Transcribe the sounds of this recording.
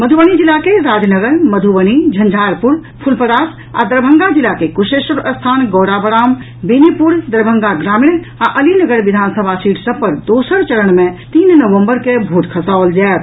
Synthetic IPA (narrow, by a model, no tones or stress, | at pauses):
məd̪ʱuʋəñid͡ʒilakeɾaːd͡ʒnəɡəɾməd̪ʱuʋəñid͡ʒʱə̃nd͡ʒʱaːɾpuɾpʰulpəɾaːs | a̰d̪əɾbʱəŋɡad͡ʒilakekuʃeʃəɾəst̪ʰaːnɡɔːɽabəɾaːm | binipuɾd̪əɾbʱəŋɡaɡɾaːmiɳ | aʔəlinəɡəɾʋid̪ʱaːnsəbʱasiːʈʰsəb̚pəɾd̪osəɾt͡ʃəɾəɳ̃mẽt̪iːnnəʋəmbəɾkebʱuʈkʰəsald͡ʒaːt̪̚